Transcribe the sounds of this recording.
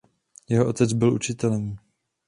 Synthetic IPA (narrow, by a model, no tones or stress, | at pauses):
jɛɦoʔot̪ɛd͡zbɪlʔṵt͡ʃɪt̪ɛlɛm